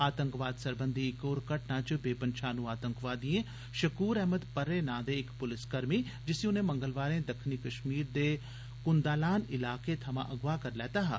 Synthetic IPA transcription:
aːt̪ə̃ŋkʋaːd̪sɐɾbə̃nd̪ʱiɪkoːɾkɐʈnãt͡ʃbeːpənʃaːnũaːt̪ə̃ŋkʋaːd̪ijẽ | ʃɐkuːɾɛɦməd̪pɐɾːenãːd̪eɪkpʊlɪskɐɾmi | d͡ʒɪsiʊnɦẽmɐ̃ŋɡəlʋaːɾẽd̪ɐkʰnikɐʃmiːɾd̪e | kʊnd̪aːlaːnɪlaːket̪ʰɐmã̰ʔɐɡʋakɐɾlɛːt̪aːɦa̰ː

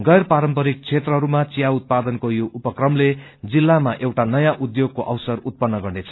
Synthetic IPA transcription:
ɡʌjrpaɾʌmpʌɾik̚t͡sʰet̪rʌɦʌɾumat͡sijaut̪̚pad̪ʌnkojoʔupʌkrʌmle | d͡zilːamaʔewʈanʌjaʔud̪joɡ̚koʔʌwsʌrut̪̚pʌnːʌɡʌɳɖet͡sʰʌ̥

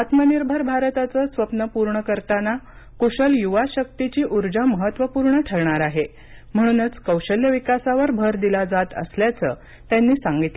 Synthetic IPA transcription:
at̪məniɾbʱəɾbʱaɾt̪at͡səsʋəpnəpuɾɳəkəɾt̪ana | kuɕəljuʋaɕək̚t̪it͡ɕiːʔuɾd͡ʑaməɦət̪ːʋəpuɾɳəʈʰəɾɳaɾaɦe | m̤əɽ̃unət͡skəwɕəljəʋikasaʋəɾbʱəɾd̪ilad͡zat̪ə̰sljat͡səː | t̪janːiːsaŋɡit̪le

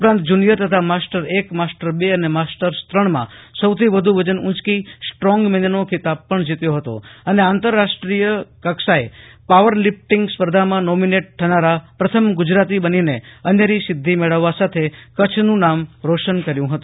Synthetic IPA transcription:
upɾãnt̪d͡ʒunijət̪ət̪ʰamasʈəɾekmasʈəɾbeənemasʈəɾst̪ɾəɳmã̰səwt̪ʰiʋəd̪ʱuʋəd͡ʒənʊ̃t͡ʃkisʈɾɔ̃ŋɡmɛnənokʰit̪ab̚pəɳd͡ʒit̪joɦət̪o̰əneant̪əɾːaʃʈɾijəkəkʃaepaʋəɾlɪp̚ʈɪŋɡspəɾd̪ʱamãnɔmineʈ̚t̪ʰːənaɾapɾət̪ʰəmɡʊd͡ʒɾat̪ibənineənjəɾisɪd̪ʱːimɛɭəʋːasat̪ʰekət͡ʃʰnũnamɾoʃənkəɾjũɦət̪ũ

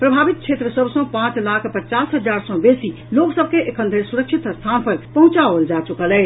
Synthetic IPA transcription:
pɾəbʱaːbit̪̚t͡ʃʰet̪ɾəsəbsɔ̃pãːt͡ʃlakʰpət͡ʃasɦəd͡ʒaɾsɔ̃besi | loksəb̚ʱkeʔekʰə̃nd̪ʱəsuɾəkʃʰit̪st̪ʰanpʰəɾpəɦũt͡ʃaʋəld͡ʒat͡ʃukəlɛɦ

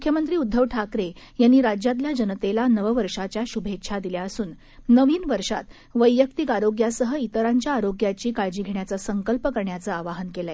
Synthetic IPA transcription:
mukʰjəmənt̪ɾiːud̪ʱːəʋʈʰakɾe | janːiːɾad͡ʑjat̪̬ljad͡ʑənt̪elanəʋəʋəɾʂat͡ɕjaɕubʱetːɕʰad̪iljaəsuːnː | əʋiːnʋəɾʂa̰t̪ | ʋəjːək̚t̪ikaɾoɡjasəɦəit̪əɾaɲt͡ɕjaːɾoɡjat͡ɕiːkaɾd͡ʑiːɡʱeɳjat͡səsəŋkəlpəkəɾɳjat͡səaʋaɦənkelae

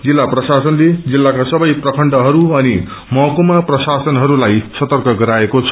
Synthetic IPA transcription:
d͡zilːaprʌsasʌnled͡zilːakasʌbʌjprʌkʰʌɳɖʌɦʌɾuʌni | mʌkumaprʌsasʌnɦʌɾulajsʌt̪ʌrkʌɡʌɾaekot͡sʰʌ̥

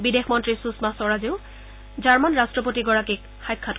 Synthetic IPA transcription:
bidexmɔntɹisusmasɔɹaziʊ | d͡ʒaɹmanɹastɹɔpotiɡɔɹakik̚ | xajkʰːat

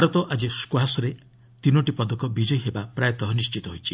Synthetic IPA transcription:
bʱaɾɔt̪ɔʔad͡ʒiskwasɔɾe | t̪inɔʈipɔd̪ɔkɔbid͡ʒɔjɦebapɾajɔt̪ɔɦɔnist͡ʃit̪ɔɦojt͡ʃʰi

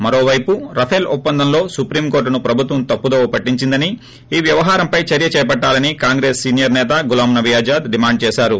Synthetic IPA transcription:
mɐɾo̞ːʋɐjpuɾɐpʰelupːɐnd̪ʱɐmlo̞ːsupɾiːmko̞ːɾʈːnupɾɐbʱut̪ʋɐmt̪ɐpːud̪oːpɐʈːiɲt͡ʃind̪ɐni | iːʋjɐʋɐɦaːɾɐmpɐjt͡ʃɐɾjɐt͡ʃɛːɐpɐʈːaːlɐnikaːŋɡɾeːsːiːnjɐɾnɛːt̪ɐɡulaːmnɐʋijaːd͡ʒaːd̪ɖimaːɳɖ̚t͡ʃɛːʃaːɾu

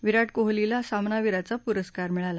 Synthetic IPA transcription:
ʋiɾaʈ̚koɦlilasamnaʋiɾat͡sapuɾəskaɾmiɭala

